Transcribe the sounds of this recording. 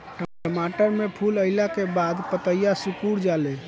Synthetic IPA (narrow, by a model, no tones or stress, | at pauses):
ʈəəmaʈəɾmepʰuləɪlakebad̪pət̪əijasukuɽd͡ʒalɛ